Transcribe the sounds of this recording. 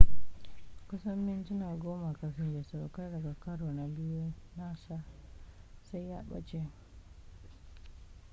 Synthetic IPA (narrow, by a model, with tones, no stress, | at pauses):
ku˦sɔ˦mːi˦nti˦na˨ɡo˦ma˨ka˨fi˨nd͡ʒe˨sa˨ɾo˨ka˦da˨ɡa˨ka˦ɾo˨na˨bi˦e˦na˦sa˦ | sa˦jja̰˦ɓa̰˦t͡ʃe˦